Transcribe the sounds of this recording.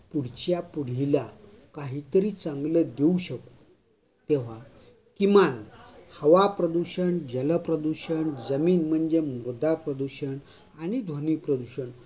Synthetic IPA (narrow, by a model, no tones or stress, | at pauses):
puɽ̤t͡ɕjapuɽ̤ila | kaɦit̪əɾiːt͡sãŋɡləd̪euɕəku̥ | t̪eʋ̤a | kimanhəʋapɾəd̪uɕəɳd͡ʑələpɾəd̪uɕəɳd͡zəmiːnm̤əɳd͡zemod̪apɾəd̪uɕəɳ | añid̪ʱonipɾəd̪uɕəɳ